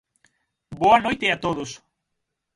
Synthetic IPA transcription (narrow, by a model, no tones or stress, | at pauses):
boanojt̪eat̪oðos